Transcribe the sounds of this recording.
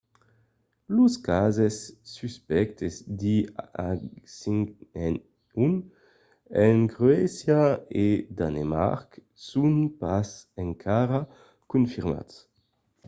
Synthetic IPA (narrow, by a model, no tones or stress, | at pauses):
luskazɛsːyspɛkt̪ʰezd̪iasiŋɛn | un | ɛnɡʁøɛsjaed̪anema̰ʁk | sunpasɛŋkʰaʁa | kunfiʁma̰ts